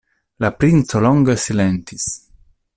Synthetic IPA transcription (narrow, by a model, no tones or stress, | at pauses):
lapɾint̪solɔŋɡəsilɛnt̪is